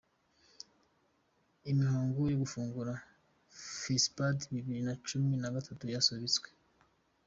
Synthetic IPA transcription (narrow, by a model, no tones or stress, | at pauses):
imihaːŋɡujoɡufuːŋɡuɾa | fispadβiβiɾinat͡ʃuminaɡatʰatujasoβit͡swe̥